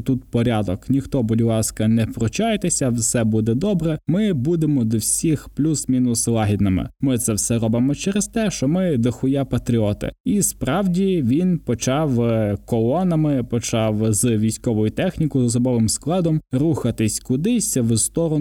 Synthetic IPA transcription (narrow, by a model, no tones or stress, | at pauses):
t̪ut̪pɔɾʲɑd̪ɔknʲixt̪ɔbɔdʲɪlˠɑskɐnɛpɾɔt͡ʃɑjet̪esʲɐwsɛbud̪ɛd̪ɔbɾɛmɪbud̪emɔd̪ɔwsʲixplʲusmʲinʊslˠɑɦʲid̪nɐmɪ̰mɪt̪sɛwsɛɾɔbɪmɔt͡ʃɛɾest̪ɛʃt͡ʃɔmɪd̪ɐxʊjɛpɐt̪ɾʲiɔt̪ɪ̰ispɾɑwdʲiʋʲinpɔt͡ʃɑwkɔlˠɔnɐmɪpɔt͡ʃɑwzʋʲijsʲkɔʋɔjʊt̪ɛxnʲikʊzɐsɔbɔʋɪmsklˠɑd̪ɔmruxɐt̪ɪsʲkʊd̪ɪsʲɐwst̪ɔɾɔ